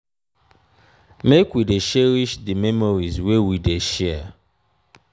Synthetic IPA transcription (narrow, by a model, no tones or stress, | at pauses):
mekwideʃɛɾiʃdimemoɾizwewideʃɛ